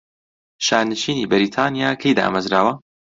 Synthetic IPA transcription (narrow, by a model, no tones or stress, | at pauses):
ʃaːɾnɨʃiːniːbɐɾiːt̪ʰaːnijaːkʰɐjd̪a̰ʔa̰mɐzɾaːwɐ